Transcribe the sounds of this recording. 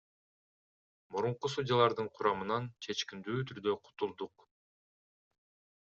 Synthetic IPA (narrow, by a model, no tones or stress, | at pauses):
muɾuɴqusud̪ʲjalˠɑɾd̪ɯɴqʰʊɾɑmɯnɑnt͡ʃʰe̞t͡ʃkind̪yːt̪ʰyɾd̪ø̞qʰu̥t̪ulˠd̪uq